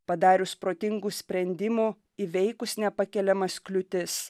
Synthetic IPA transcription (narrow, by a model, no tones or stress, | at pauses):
pɐd̪ɑːɾʲʊspɾoːt̪ʲɪŋɡuːsʲpʲɾʲɛnʲd̪ʲɪmu | ɪʋʲɛɪkʊsnʲɛpɐkʲɛlʲɛmɐsklʲʊt̪ʲɪs